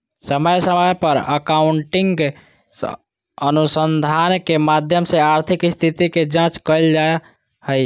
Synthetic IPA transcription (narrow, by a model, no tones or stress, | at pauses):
səməjsəməjpəɾəkaʊɳʈɪŋɡɡ | ənusənd̪ʱaːnkemad̪ʱjəmseaɾt̪ʰɪkst̪ʰit̪iked͡ʒãːt͡ʃkəild͡ʒae | həj